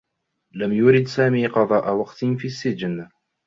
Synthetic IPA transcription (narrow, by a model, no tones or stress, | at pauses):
lamjʊɾɪd̪saːmiːqɑðˤɑːʔawɑqt̪fiːsːɪd͡ʒn